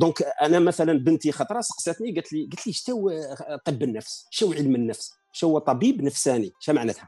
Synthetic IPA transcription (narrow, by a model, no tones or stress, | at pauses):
d̪ɔ̃kʔænæmæθælænbənt̪ixɑt̪ˤɾˤɑsə̥qsˤæt̪niɡæt̪liɡæt̪liʃt̪æwt̪ˤəbːənːəfsʃæwʕəlmənːəfs | ʃæhwːæt̪ˤɑbibnəfsæniʃæmaʕnæt̪hæ